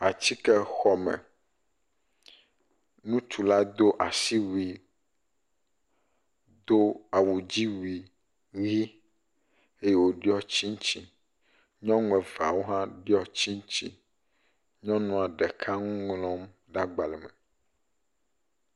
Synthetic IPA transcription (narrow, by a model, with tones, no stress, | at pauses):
a˨t͡ɕi˦kɛ˦xɔ˨mɛ̰̃˨ | nũ˦t͡ʃu˨la˦d̪o˦ʔa˨si˦wi˨ | d̪o˦a˨wu˨d͡ʑi˦wi˨ | ɣi˦ | e˦jɛ˦wo˦ɖi˦ɔ˦t͡ɕi˦ŋ̃˦t͡ɕi˦ | ɲɔ̃˦ŋ̃˨˦ɛ̃˨va˨wo˦ɦã˦ɖi˦ɔ˦t͡ɕi˦ŋ̃˦t͡ɕi˦ | ɲɔ̃˦nɔ̃˦˨a˨ɖɛ˨kʰa˦ŋũ˦ŋlɔ̃˦m | ɖa˦ɡ͡ba˨lɛ˨mɛ̰˨